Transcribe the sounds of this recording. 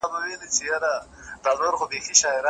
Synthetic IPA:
bawelit͡ʃejaɾad̪̥aloɾxobexiʃɑɪɾɑ

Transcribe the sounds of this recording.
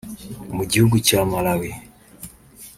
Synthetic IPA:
muɟihuɡucamalawi

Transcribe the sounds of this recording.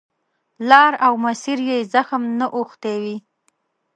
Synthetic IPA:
lɑɾawmasiɾjezaxəmnaʔoxt̪ewi

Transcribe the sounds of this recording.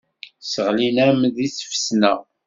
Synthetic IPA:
səʁlinæmðisə̥fsnæ

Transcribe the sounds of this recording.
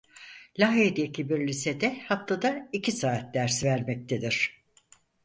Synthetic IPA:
lʲaɦed̪ecʰibiɾlʲised̪ɛhaf̚t̪ad̪aicʰisaːt̪̚d̪æɾsvæɾmɛc̚t̪ʰed̪iɾ̝̥

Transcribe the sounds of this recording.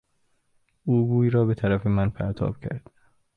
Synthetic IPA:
uːɡuːjɾɒːbe̞t̪ʰæɾæfe̞mænpʰæ̰ɾt̪ʰɒ̰ːb̥cʰæ̰ɾd̪̥

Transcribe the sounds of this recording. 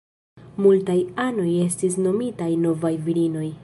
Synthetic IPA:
multajano̞je̞stis̬no̞mitajno̞vajviɾino̞j

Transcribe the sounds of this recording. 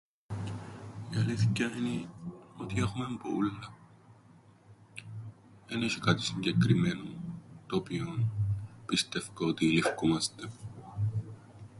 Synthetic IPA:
iɐliθcːɐinio̞t̪ie̞xume̞mbo̰ulːɐ | eneʃikɐt̪i̥siɲɟe̞kɾime̞not̪oːpionpist̪e̞fkɐot̪ilifkomɐst̪e

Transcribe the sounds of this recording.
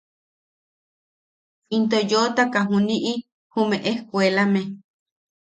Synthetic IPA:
int̪ojot̪akaɦũniʔi | humeʔehkʷelame

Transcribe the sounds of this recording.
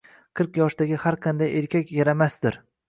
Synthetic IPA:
qʰɨɾqjɒʃd̪aɡʲɪhaɾqʰɑnd̪ajeɾkʲʰakʲjaɾamasd̪ɪɾ

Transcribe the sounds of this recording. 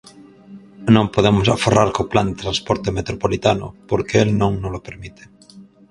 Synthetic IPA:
nõŋpoðemʊsaferaɾkopland̪et̪ɾanspɔɾt̪emet̪ɾopolit̪anʊ̰poɾkeelnõŋnolopeɾmit̪e̥

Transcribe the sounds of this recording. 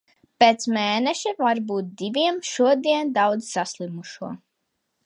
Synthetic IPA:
peːt̪smeːneʃivaɾbuːt̪̚d̪iviɛmʃuɔd̪iɛnd̪awd̪zsaslˠimuʃuɔ

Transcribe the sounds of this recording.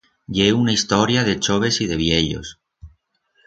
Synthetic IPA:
ʎeunaist̪ɔɾjaðet͡ʃoβ̞esiðeβ̞jeʎo̰s

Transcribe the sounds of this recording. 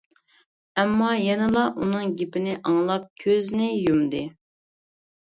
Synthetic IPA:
ɛmːɑjɛnɨlˠɑʔunɨŋɡʲepɪnɪʔɑŋlˠɑp̚kʲʰøznɪjumd̪ɨ

